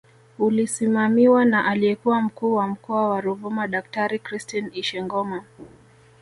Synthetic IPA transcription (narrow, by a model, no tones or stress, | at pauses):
ulisimamiwanaʔaliɛkuwam̩kuːwam̩kɔawaɾuvumaɗak̚taɾikɾistiniʃɛŋɡɔma